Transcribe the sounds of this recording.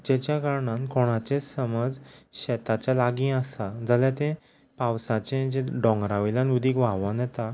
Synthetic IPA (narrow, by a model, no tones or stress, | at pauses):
d͡ʑɛt͡ɕjakaɾɳãnkoɽ̃at͡ɕesəməd͡zɕɛt̪at͡ɕjalaɡĩːasad͡zaljat̪ẽ | pawsat͡ɕẽd͡ʑeɖɔ̃ŋɡɾaʋilanud̪iːkʋaʋənjɛt̪a